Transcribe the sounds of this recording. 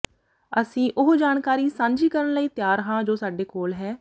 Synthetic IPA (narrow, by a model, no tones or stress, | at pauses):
əsĩːʔʊɦd͡ʒaːnkaːɾiːsãːɲd͡ʒiːkəɾənləiːt̪jaːɾəɦãːd͡ʒoːsaːɖeːkoːlɦɛː